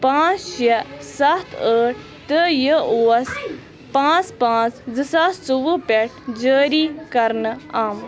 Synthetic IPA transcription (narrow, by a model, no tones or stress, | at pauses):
pãːt͡sʃesɐt̪ʰəːʈʰ | t̪əjəoːɐs | pãːt͡spãːt͡sd͡zɨsasuʋɨpeʈ̚ʰd͡ʒəːɾiːkɐɾnaːm